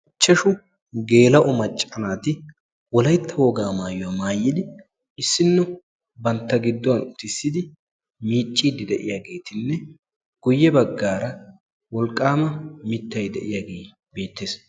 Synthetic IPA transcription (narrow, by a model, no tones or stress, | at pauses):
t͡ʃːɐʃʊ | ɡe̞ːlɐʔɔmɐt͡ʃʼːɐnaːt̪ɪ | wɔlɐjt̪ʰːɐwɔɡaːmaːjɔwamaːjːɪd̪ɪ | ɪsːɪnːɔ | bɐnt̪ːɐɡɪd̪ːɔwɐnt̪ɪsːɪd̪ɪ | miːt͡ʃʼːiːd̪ɪd̪ɛʔɪ̰jaːɡe̞ːt̪ɪnːɛ | ɡ̥ʊjːɛbɐɡːaːɾɐ | wɔlkʼːaːmɐmɪt̪ːɐjd̪ɛʔɪjaːɡe̞ː | be̞ːt̪ːeːs